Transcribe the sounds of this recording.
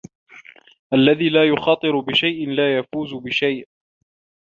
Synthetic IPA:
ʔalːaðiːlaːjʊxɑːt̪ˤɨɾʊbɪʃajʔɪnlaːjafuːzʊbɪʃajʔ

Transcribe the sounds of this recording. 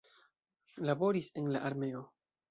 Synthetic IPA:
labo̞ɾisenlaʔaɾme̞o̞

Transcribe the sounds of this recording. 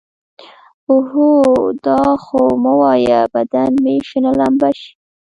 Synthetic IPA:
ʊɦud̪ɑxoməwɑjabad̪anmeʃənalambaʃ

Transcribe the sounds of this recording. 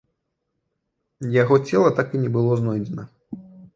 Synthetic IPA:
jaɣɔt͡sʲɛlˠɐt̪akinʲɛbɨlˠɔznɔjd͡zʲɛnɐ

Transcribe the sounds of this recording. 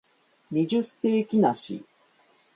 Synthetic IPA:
mʲiʑɨse̞ːkʲinaɕḭ

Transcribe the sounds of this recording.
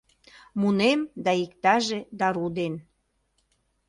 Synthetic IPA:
munemd̪ɑikt̪ɑʒed̪ɑɾud̪en

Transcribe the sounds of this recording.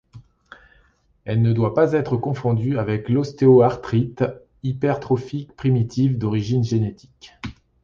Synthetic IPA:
ɛlnəd̪wapazɛt̪χəkɔ̃fɔ̃d̪yavɛklɔst̪eoaʁt̪χit̪ | ipɛʁt̪χɔfikpχimit̪ʰivd̪ɔʁiʒinʒenet̪ʰi̥k

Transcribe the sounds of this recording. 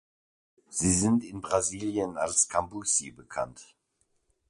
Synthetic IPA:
z̥iːzɪntɪnbʁaziːljənalskʰambusibəkʰa̰nt

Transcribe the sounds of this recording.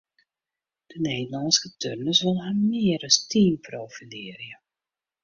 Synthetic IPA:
d̥əneːdəlɑnskətʰørnəsʋəlˠɦamɪəɾəstʰiːnproːfilɪːɾjə

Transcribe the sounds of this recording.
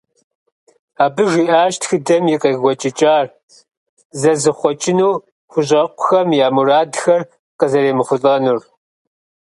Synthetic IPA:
aːbɨʒiːʔaːʃtxɨdɐmjɪqɐɣɡʷɔt͡ʃʼɪt͡ʃʼaːr | zɐzɨχʷɔt͡ʃʼɪnuː | xʷʊɕ̬ʼɐqʷʊ̥xɐmjaːmuraːdxɐr | qɐzɐɾeːmɨχʷʊɬʼɐnur

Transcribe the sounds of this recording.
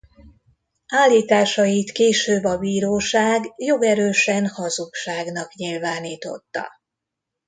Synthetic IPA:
aːlːiːt̪aːʃɒjit̪keːʃøːbːɒbiːɾoːʃaːɡjo̞ɡɛɾøːʃɛnhɒzukʃaːɡnɒkɲilvaːniːt̪o̞̰t̪ːɒ̰

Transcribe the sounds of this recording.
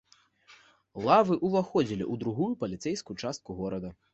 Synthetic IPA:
lˠavɨʔuvaxɔd͡zʲilʲḭʔud̪ɾuɣujupɐlʲit̪sɛjskujt͡ʂast̪̚kuɣɔɾɐd̪ɐ

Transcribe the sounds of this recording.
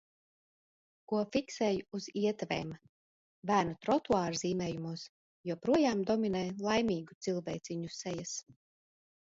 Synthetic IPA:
kuɔfʲiksɛːjuuziɛt̪vḛːm | væːnut̪ɾɔt̪uaːɾziːmɛːjumuɔs | juɔpɾuɔjaːmd̪ɔminɛjlˠajmʲiːɡut̪silˠvɛjt̪sʲiɲusɛjas

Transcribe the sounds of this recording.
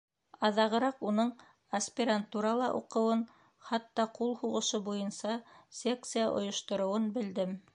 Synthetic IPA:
ɑðɑʁɤ̆ɾɑqunɤɴ | ɐsʲpʲiɾant̪uɾɑlˠɑʔṵqɤ̆wɤn | χɑt̪ːɑqulˠhuʁɤ̆ʃɤbujɤnsɑsʲek̚t̪sɨjaʔŏ̰jŏʃt̪ŏɾŏwɤnbɘ̆ld̪ɘm

